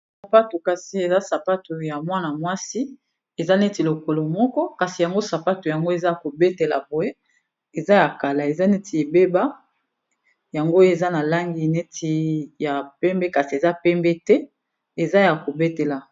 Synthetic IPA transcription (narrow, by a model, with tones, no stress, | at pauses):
ssa˨pa˦tu˨ka˨si˦e˨za˦sa˨pa˦tu˨ja˨mwa˦na˨mwa˦si˦ | e˨za˦ne˦ti˨lo˨ko˨lo˨mɔ˦kɔ˦ka˨si˨ja˨ŋɡo˦sa˨pa˦tu˨ja˨ŋɡo˦e˨za˦ja˨ko˨be˦te˨la˨bo˨je˦ | e˨za˦ja˨ka˨la˨e˨za˦ne˦tʰi˨e˨be˦ba˦ | ja˨ŋɡo˦e˨za˦na˨la˦ŋɡi˦ne˦tʰi˨ja˨pɛ˦mbe˦ka˨si˨e˨za˦pɛ˦mbɛ˦tɛ˦ | e˨za˦ja˨ko˨be˦te˨la˨